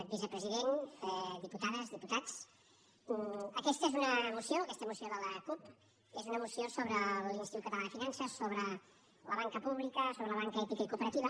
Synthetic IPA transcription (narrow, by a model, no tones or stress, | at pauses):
bizəpɾəziðenɛd̪iput̪aðəzðiput̪at͡s | əkɛst̪əezunəmusioəkɛst̪əmusioðələkup | ezunəmusiosoβɾəlinst̪it̪ut̪kːət̪əlanəfinansəsoβɾə | ləβaŋkəpuβlikəsoβɾələβaŋkəɛt̪ikəikupəɾət̪iβə